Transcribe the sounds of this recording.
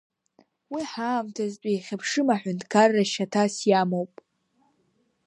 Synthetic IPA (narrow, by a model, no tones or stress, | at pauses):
wiħaːmtʰazt͡pʷʼijχʲapʰʂɨmaħʷᶣʊndkʰarːaʃatʰasjamowpʼ